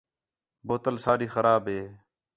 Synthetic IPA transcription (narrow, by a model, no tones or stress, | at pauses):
boːt̪əlsaːɾiːxəɾaːbɦeː